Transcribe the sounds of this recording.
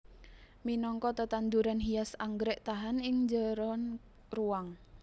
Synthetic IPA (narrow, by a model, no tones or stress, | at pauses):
minɔŋkɔt̪ət̪and̪uɾanɦijasaŋɡɾɛʔt̪aɦanɪŋd͡ʒəɾɔn | ruwaŋ